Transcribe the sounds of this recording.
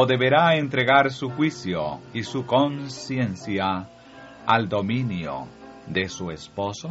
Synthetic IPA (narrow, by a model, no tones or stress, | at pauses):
oðe̞βe̞ɾaent̪ɾe̞ɣaɾsuxwisjo̰isukonsjensja | ald̪o̞mĩnjo̰ | d̪e̞suespo̞so